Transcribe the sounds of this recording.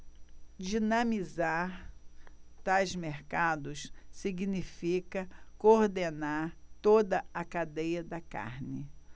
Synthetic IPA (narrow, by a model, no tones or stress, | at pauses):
d͡ʒinɐ̃mizaɾ | t̪ajzmeɾkad̪ʊssiɡnifikɐkoɾd̪enaɾt̪od̪ɐɐkad̪ejɐd̪ɐka̰ɾnɪ